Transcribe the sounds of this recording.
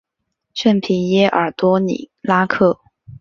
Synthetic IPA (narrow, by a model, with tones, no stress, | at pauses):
ʂə˥˩npʰi˧˥njɛ˥ʔə˞˨˩t̪wɔ˥nḭ˨˩˦la˥kʰɤ˥˩